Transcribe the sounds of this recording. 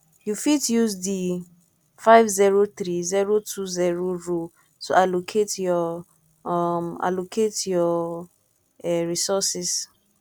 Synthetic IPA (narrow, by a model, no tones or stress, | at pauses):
jufitjuzdi | faɪvziɹoθɾiziɹotʰuziɹoɹo | toalokʰetjɔ | ma̰lokʰetjɔ | ɛɹisɔsis